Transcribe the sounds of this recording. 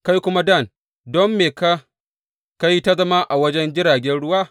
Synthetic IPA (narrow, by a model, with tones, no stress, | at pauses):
ka˦jkʷʊ˦ma˦da˦˨n | dɔ˦mːeː˨ka˦ | ka˦ji˦ta˦zɐ˦ma˦ʔa˨wɐ˦d͡ʒɛ˦nd͡ʒɪ˦ɽaː˨ɡʲɛ˦nɽʊ˦waː˦˨